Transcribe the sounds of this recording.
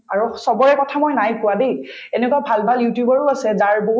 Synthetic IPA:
aɹusɔbɔɹɛkɔtʰamojnajkʊwadej | ɛnɛkwabʱalbʱaljutjubaɹuasɛzaɹboɦu

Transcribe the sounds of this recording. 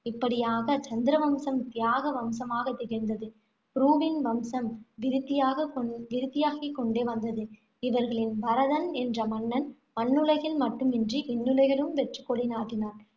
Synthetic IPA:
ɪpːɐɽɪjaːɣɐt͡ʃɐnd̪ɪɾɐʋɐmsɐmt̪ɪjaːɣɐʋɐmsɐmaːɣɐt̪ːɛɣɪɾnd̪ɐðɯ | pɾuːʋɪnʋɐmsɐmʋɪɾɪt̪ːɪjaːɣɐkʋɪɾɪt̪ːɪjaːɣɪkːɔɳɖeːʋɐnd̪ɐðɯ | ɪʋɐɾɣɐɭɪnʋɐɾɐðɐnɛndrɐmɐnːɐn | mɐnːɯlɐɪɣɪlmɐʈːɯmɪndriʔɛnːɯlɐɪɣɐɭɯmʋɛʈrɯkːɔɽinaːðɪnaːɾ

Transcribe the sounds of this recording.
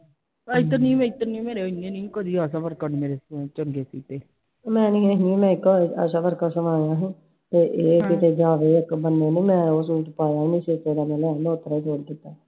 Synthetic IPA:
aːɪt̪ːənĩːmɛ̃ːɪt̪ːənĩmeːɾenẽːnĩːkəd̪iːaːsãʋəɾkanːmeːɾeːt͡ʃənɡeːsiːt̪eː | mɛ̃ːnĩːenĩmɛ̃ːɪkːoə̰ʃãːʋəɾkaːsəʋaːjãːɦĩː | t̪eːʔeːkɪt̪ʰeːd͡ʒaːʋeːɪkbənːeːnẽːmɛ̃ːoːsuːʈpaːjaːnĩːʃeːst̪eːd̪aːmɛ̃ːlɛːnd̪oːt̪əɾaːt͡ʃʰoːɽd̪ɪt̪ːaː

